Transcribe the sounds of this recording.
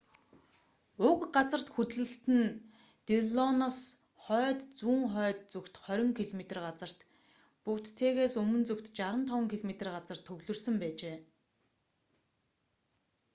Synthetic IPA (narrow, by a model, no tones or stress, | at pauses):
ʊkɢat͡sə̆r̥t̪xut̪ɮɘ̆ɬt̪ɘ̆n | t̪eɮɔnas | χœːt̪t͡suːŋχœːt̪̚t͡sukt̪χœɾʲɪ̆ŋkʰiɮmet̪ə̆rɢat͡sə̆r̥t̪ | pukt̪ʰːeːɣeːsɵmɵ̆nt͡sɵkt̪t͡ɕaɾə̆nt̪ʰɔwə̆ŋkʰiɮmet̪ə̆rɢat͡sə̆r̥t̪ʰːɵɣɮɵ̆rsə̆mpæːt͡ɕeː